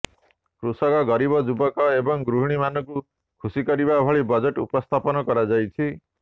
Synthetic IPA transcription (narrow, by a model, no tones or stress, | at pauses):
kɾusɔkɔɡɔɾibɔd͡ʒubɔkɔebɔŋɡɾuɦɽ̃imanɔku | kʰusikɔɾibabʱɔɭibɔd͡ʒeʈṵpɔst̪ʰapɔnɔkɔɾad͡ʒajt͡ʃʰi